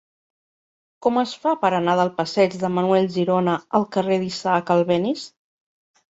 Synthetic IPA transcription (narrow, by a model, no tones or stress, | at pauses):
kɔməsfapəɾənaðəlˠpəsɛd͡ʒðəmənuɛlʲʒiɾɔnəəlˠkəreðisaːkəlˠβɛnis